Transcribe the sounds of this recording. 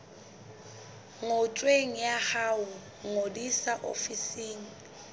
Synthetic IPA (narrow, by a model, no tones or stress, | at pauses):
ŋot͡ʃʼweŋ̩jahaʊ | ŋodisaʔo̰fisiːŋ̩